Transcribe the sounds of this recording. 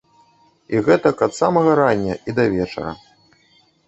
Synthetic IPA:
iɣɛt̪ɐkɐt̪samɐɣɐɾanʲːɐ̰id̪ɐvʲɛt͡ʂɐ̰ɾɐ̰

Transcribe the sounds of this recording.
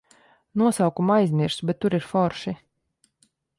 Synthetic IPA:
nuɔsawkumajzmʲiɾsbʲɛt̪ːuɾiɾfɔɾʃi

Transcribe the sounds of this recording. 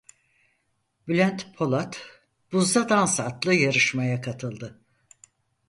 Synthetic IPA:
blʲænt̪pʰo̞lˠat̪ | b̥uzd̪ad̪ansat̪lˠɯjaɾɯʃmajakʰat̪ʰɯlˠd̪ɯ

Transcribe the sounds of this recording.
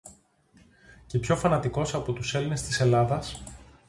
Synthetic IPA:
ce̞pço̞fɐnɐt̪iko̞sɐpo̞t̪use̞line̞st̪ise̞lɐðɐs

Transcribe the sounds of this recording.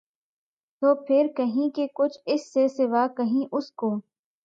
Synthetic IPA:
t̪oːpʰɪɾkəɦĩkekʊt͡ʃʰɪsːesɪʋaːkəɦĩːʔʊskoː

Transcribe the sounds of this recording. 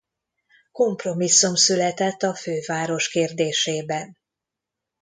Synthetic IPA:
ko̞mpro̞misːumsylɛt̪ɛt̪ːɒføːvaːɾo̞ʃkeːrd̪eːʃeːbɛn

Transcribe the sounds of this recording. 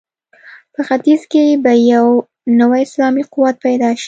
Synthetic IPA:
pəxat̪izkebajaw | nawajɪslɑmiqʊwat̪̚pajd̪ɑʃi̥

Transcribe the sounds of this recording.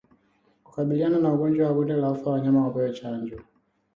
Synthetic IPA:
ku̥kaɓiliananauɡɔnd͡ʒwawaɡɔndɛlaufawaɲamawapɔjɛt͡ʃaɲd͡ʒɔ

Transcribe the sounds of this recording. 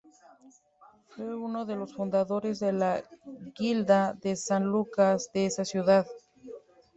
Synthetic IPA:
fwe̞uno̞ðe̞lo̞sfund̪aðo̞ɾe̞zðe̞laɣild̪aðe̞sanlukazðeesasjuðað

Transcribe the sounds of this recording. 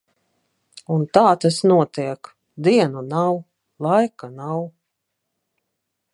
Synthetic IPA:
unt̪aːt̪asnuɔt̪iɛk | d̪iɛnunaw | lˠajkanaw

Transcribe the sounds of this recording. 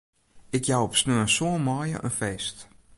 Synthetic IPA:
ɪkjawɔpsnøənsoəmɔːjə̰ʔə̰nfeːst

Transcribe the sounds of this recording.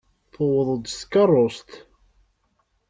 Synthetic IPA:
θowəðˤəd̪skːɑrˤːost̪

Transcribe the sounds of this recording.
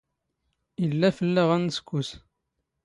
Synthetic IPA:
ilːæfəlːəʁænəskʷːus

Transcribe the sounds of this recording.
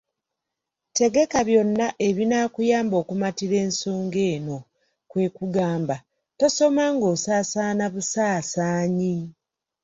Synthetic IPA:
te̞ɡe̞kaβjo̞nːaʔe̞βinaːkujaːmbo̞ːkumatiɾe̞ːnso̞ːŋɡe̞ːno̞ | kwe̞ːkuɡaːmba | to̞so̞maŋɡo̞ːsaːsaːnaβusaːsaːɲi

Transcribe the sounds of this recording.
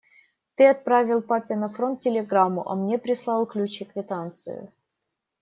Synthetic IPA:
t̪ɨɐt̪̚pɾavʲɪlˠpapʲɪnɐfɾont̪̚tʲːɪlʲɪɡɾamːʊʔɐ̰mnʲepɾʲɪslˠɑlˠklʲut͡ɕɪkvʲɪt̪ant̪sɨ̰jʊ̰

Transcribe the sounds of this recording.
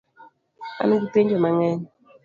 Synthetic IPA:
a̰nɡuteɲd͡ʒomaŋɛɲ

